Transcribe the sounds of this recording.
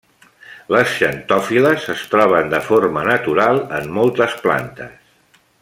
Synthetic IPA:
ləsʃənt̪ɔfiləzəst̪ɾɔβ̞ənd̪əformənət̪uɾalˠəmːɔlˠt̪əspla̰nt̪əs

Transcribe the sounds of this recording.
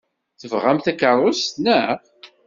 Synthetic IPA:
θəvʁamθækərˤːʊst̪nə

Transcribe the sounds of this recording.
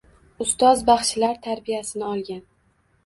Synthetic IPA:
ʊst̪ɒzbaχʃlaɾt̪ʰaɾbijasɪnɪɒlˠɡʲan

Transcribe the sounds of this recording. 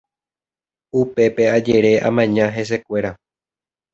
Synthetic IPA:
upe̞pe̞ad͡ʒeɾe̞ʔã̰mãɲãɦe̞s̬e̞kʷe̞ɾa

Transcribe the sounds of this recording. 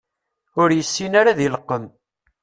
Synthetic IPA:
ʊɾjəsːinaɾaðiləqːəm

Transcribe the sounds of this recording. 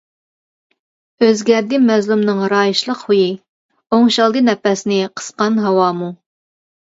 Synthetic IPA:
øzɡʲæɾd̪ɪmɛzlˠumnɨŋɾɑːjiʃlˠəqhuji | oŋʃɑlˠd̪ɨnɛpɛsnɪqʰə̥sqɑnɦɑwɑːmu

